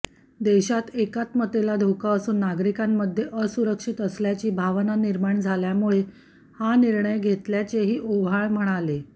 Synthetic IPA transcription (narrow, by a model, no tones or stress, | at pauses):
d̪eɕat̪ekat̪mət̪elad̪ʱokaəsuːnːaɡɾikamːəd̪ʱːjeʔəsuɾəkʂit̪əsljat͡ɕiːbʱaʋnaniɾmaɳd͡zʱaljamuɭe | haniɾɳəjɡʱet̪ljat͡seɦiːʔoʋaɭm̤əɽ̃ale